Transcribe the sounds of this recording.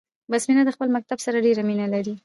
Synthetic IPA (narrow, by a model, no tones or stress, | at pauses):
basminad̪əxpəlmak̚t̪absaɾaɖeɾaminalaɾi